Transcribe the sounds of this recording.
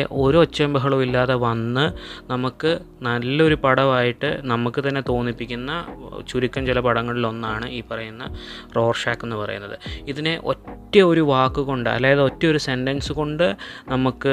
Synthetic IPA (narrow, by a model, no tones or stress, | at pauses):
ʔo̞ɾuot͡ɕːɐmbɐɦɐɭɐʋilːaːðeʋɐnːɨnɐmukːɨnɐlːɐo̞ɾupɐɽɐʋaːjiʈːɨnɐmukːɨt̪ɐnːe̞t̪o̞ːnːipːikʲːunːɐt͡ɕuɾikʲːɐmt͡ɕilɐpɐɽɐŋːɐɭilo̞nːaːɳɨiːpːɐrɐjunːɐro̞ːrʂaːkːenːɨpɐrɐ̰junːɐðɨ̰iðineʔo̞̰tːɐoɾuʋaːkːɨko̞ɳɖɨɐ̰lːaːjɐðɨo̞tːɐmo̞ɾuse̞nɖɐnsɨko̞ɳɖɨnɐmukːɨ